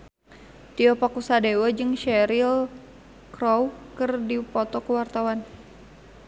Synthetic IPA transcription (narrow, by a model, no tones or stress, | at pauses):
t̪iɔpakusadewad͡ʒɨŋʃɛɾil | kɾowkɨrdipɔt̪ɔkəwart̪awan